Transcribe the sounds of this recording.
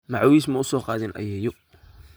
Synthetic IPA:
mɑʕwis̬mɐʊsɔːqɑːðɪnʔɐ̰jɛːjɔ

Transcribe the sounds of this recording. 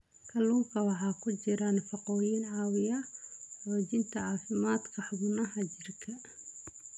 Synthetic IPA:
kʰɐluːŋkʰɐwɑħɑːkʰʊt͡ʃɪɾɐnfɑqɔːjinʕɑːwɪjɐ | ɔːt͡ʃɪnt̪ʰɐʕɑːfɪmaːd̪kʰɐħʊɣʊnɐɦɐt͡ʃɪrkʰɐ

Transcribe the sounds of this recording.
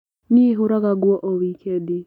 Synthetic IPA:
nieɦoɾaɣaɡwɔʔowikedi

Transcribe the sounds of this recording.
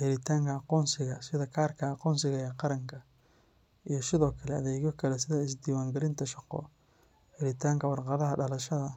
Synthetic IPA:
ħɪlɪt̪ʰaːŋkʰɐɑqɔːnsɪɣɐsɪðɐkʰaːrkʰɐɑqɔːnsɪɣɐjɛqɑɾɐŋkʰɐ | ijɞsɪðɔːkʰɐlɛɐðɛːɣɔkʰɐlɛsɪðɐɪs̬d̪iːwaːŋɡɐlɪnt̪ʰɐʃɑqɔ̰ | ħɪlɪt̪ʰaːŋkʰɐwɑrqɑðɐɦɐɖɐlɐʃɐðɐ

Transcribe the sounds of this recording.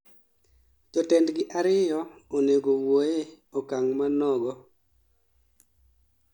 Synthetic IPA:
d͡ʒɔtɛndɡɪʔaɾɪjɔoneɡowoe | ɔkaŋmanɔɡɔ

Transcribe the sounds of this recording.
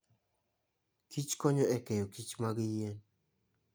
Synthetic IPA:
kit͡ʃkɔɲoɛkɛjokit͡ʃmaɡijen

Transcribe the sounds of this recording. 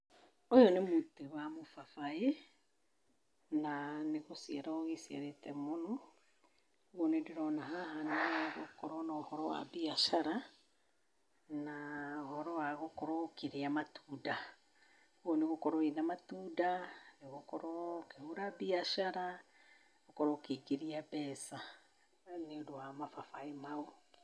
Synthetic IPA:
ojɔnemuteβamofafae | naneɣosiɛɾaoɣesia̰ɾetɛmonɔ | ɣɔnediɾɔnaɦahaneɣokɔɾɔnaːhɔɾɔwa̰biaʃaɾa | naohɔɾɔwaɣokɔɾɔkeɾiamatʰuːda | uɔneɣokɔɾɔinamatuːdaneɣokɔɾɔkehuɾabiaʃaɾa | ɣokɔɾɔkekiɾiabɛːsa | neodowamafafaemao

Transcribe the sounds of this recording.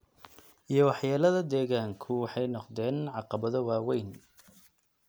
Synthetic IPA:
ʔijɞwɑħjaːlɐðɐd̪ɛːɣaːŋkʰʊwɑħɛjnɔqd̪ɛːnʕɑqɑβɐðɔwaːwɛjn

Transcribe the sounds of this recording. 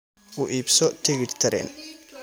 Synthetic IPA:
ʊʔiːbsɔt̪ʰɛɣɪɖt̪ʰɐɾɛ̰n

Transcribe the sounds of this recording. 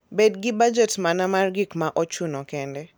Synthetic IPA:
bedɡɪbad͡ʒɛtmanamarɡikmaʔɔt͡ʃunɔkɛndɛ

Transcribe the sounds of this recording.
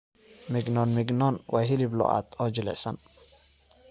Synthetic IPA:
mɪɡnɔnmɪɡnɔnwaːɦɪlɪblɔ̰ʔa̰ːt̪ɔd͡ʒɪlɛ̰sɐn

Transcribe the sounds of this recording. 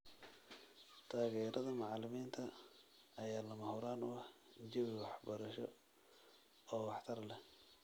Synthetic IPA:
t̪ʰaːɣɛːɾʔɐðɐmɑʕɑlɪmiːnt̪ʰɐː | jaːlɐmɐhʊɾaːnʊɐhd͡ʒɪβwɑħbɐɾɐʃɔ | ɔːwɑħt̪ʰɐrlɛ

